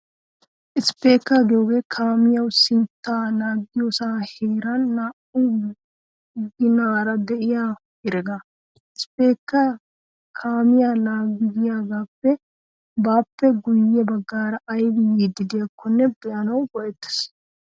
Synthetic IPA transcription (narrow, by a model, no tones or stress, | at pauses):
ʔɪspːe̞ːkːaːɡɪjoːɡe̞ːkʰaːmɪjɐwsɪnt̪ːaːnaːɡɪjosaːheːɾɐnːaːʔu | ɡɪnaːɾɐd̪ɛʔɪjaː | ɪɾɛɡa | ɪspe̞ːkːa | kʰaːmɪjaːnaːɡɪdɪjaːɡaːpːɛ | baːpːɛɡʊjːɛbɐɡːaːɾɐʔːjɡɪjiːd̪ɪd̪ɪjɐkʰːɔnːɛbɛʔɐnɐwbɔʔɛt̪ːɪ̥s